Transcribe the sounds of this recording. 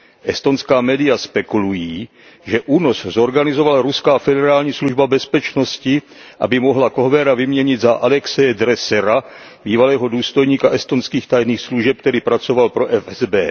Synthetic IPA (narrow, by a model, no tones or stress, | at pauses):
ʔɛst̪onskaːmɛːdɪjaspɛkulujiː | ʒɛʔuːno̞szo̞ɾɡanɪzovalaɾuskaːfɛdɛɾaːlɲiːsluʒbabɛspɛt͡ʃnoscɪ | ʔa̰bɪmoɦlakoɦvɛɾavɪmɲɛɲɪd̪zaʔalɛksɛjɛd̪ɾɛsɛɾa | biːvalɛːɦoduːst̪o̞jɲiːkaʔɛst̪o̞nskiːxt̪ajniːxsluʒɛp̚kt̪ɛɾiːpɾat͡so̞valpɾoʔɛfɛzbɛː